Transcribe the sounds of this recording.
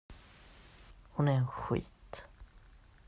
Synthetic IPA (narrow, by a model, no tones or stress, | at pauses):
hʊnæɾɛnɧḭːt̪